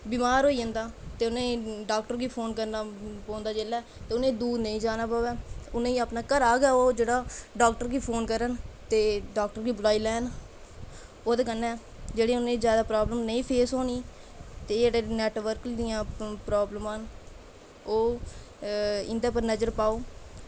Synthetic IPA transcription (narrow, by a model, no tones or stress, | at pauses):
biːmaːɾɦoːiːə̃nd̪aːt̪eːʊnẽːɖaːk̚ʈəɾɡiːpʰoːnkəɾnaːpõːnd̪aːd͡ʒeːlːɛːt̪eːʊnẽːd̪uːɾnəĩːd͡ʒaːnaːpaːʋɛːʊnẽːiːaːpnaːkəɾaːɡɛːoːd͡ʒeːɽaːɖaːk̚ʈəɾɡiːpʰoːnkəɾənt̪eːɖaːk̚ʈəɾɡiːblaːiːlɛːn | oːt̪eːkənːɛː | d͡ʒeːɽeːʊnẽːzjaːd̪aːpɾaːbləmnəĩːpʰeːsɦoːniː | t̪eːd͡ʒeːɽeːnɛːʈʋəɾkid̪ɪjãːpɾaːbləmaːn | oː | ɪnd̪eːpəɾnəd͡ʒəɾpaːoː